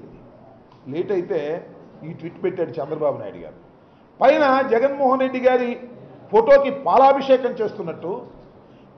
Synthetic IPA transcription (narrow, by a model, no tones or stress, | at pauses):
i | leːʈɐjit̪e̞ːiːʈʋiʈːpeʈːaːɽut͡ʃɛnd̪ɾɐbaːbuna̰ːjɐ̰ɽuɡa̰ːɾu | pɐjnɐd͡ʒɛɡɐnmɔːɦɐnɾe̞ɖːiɡaːɾipʰoʈo̞ːkipaːlaːbʱɐʂɛːkɐmt͡ʃe̞ːst̪unːɐʈːu